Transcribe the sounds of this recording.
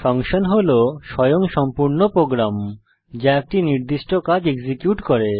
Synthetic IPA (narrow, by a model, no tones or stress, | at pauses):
fɔŋʃonɦoloʃɔjoŋʃɔmpuɾnopɾoɡɾam | d͡ʑaek̚ʈiniɾd̪iʃʈokad͡ʑeɡzikjuʈkɔɾe